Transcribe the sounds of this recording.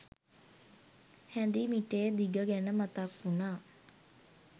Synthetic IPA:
hænd̪imiʈeːd̪iɡəɡænəmat̪akːunaː

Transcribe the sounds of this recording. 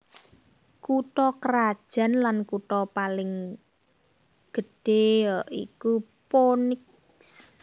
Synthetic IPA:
kuʈɔkəɾad̥ʒ̥a̤nlankuʈɔpalɪŋ | ɡ̥ə̤ɖ̥e̤jɔʔḭku | ponɪk | s

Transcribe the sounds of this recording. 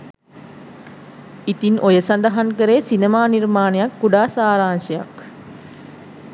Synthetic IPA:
it̪inʔojəsand̪ɐɦaŋkəɾeːsinemaːnirmaːnejakːuɖaːsaːɾaːnʃeja̰k

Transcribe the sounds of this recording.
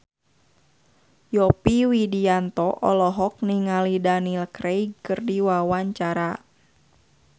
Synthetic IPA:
jɔpiwidiant̪ɔʔɔ̰lɔɦɔk̚niŋalidanilkɾejkɨrdiwawaɲt͡ʃaɾa

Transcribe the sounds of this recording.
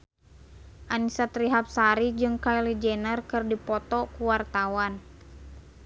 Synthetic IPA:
ʔanisat̪ɾiɦap̚saɾid͡ʒɨŋkailid͡ʒɛnərkɨrdipɔt̪ɔkuwart̪awan

